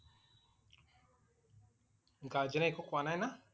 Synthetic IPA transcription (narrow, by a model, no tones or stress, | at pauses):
ŋɡad͡ʒɛnaikɔkwanana